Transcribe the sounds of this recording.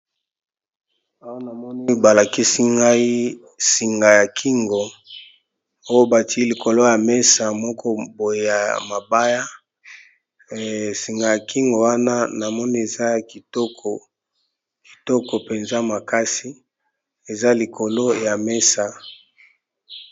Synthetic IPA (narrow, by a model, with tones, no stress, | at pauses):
a˦wa˦na˨mɔ˦ni˦ba˨la˨ki˦si˦ŋɡa˦i˦ | si˨ŋɡa˨ja˨kʰi˦ŋɡo˨ | o˦jo˦ba˨ti˨˦i˦li˨ko˨lo˦ja˨me˦sa˨mɔ˦kʰɔ˦bo˨je˨a̰˨ma˨ba˦ja˦ | si˨ŋɡa˨ja˨kʰi˦ŋɡo˨wa˦na˦na˨mɔ˦ni˦e˨za˦ki˨to˦ko˨ | ki̥˨tɔ˦ko˨pe˨nza˦ma˨ka˦si˦ | e˨za˦li˨kʰo˨lo˦ja˨me˦sa˨